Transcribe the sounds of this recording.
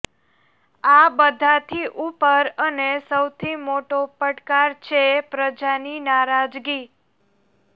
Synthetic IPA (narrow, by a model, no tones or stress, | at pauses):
abəd̪ʱat̪ʰiʔupəɾənesəwt̪ʰimoʈopəʈkaɾt͡ʃʰepɾəd͡ʒaninaɾad͡ʒɡi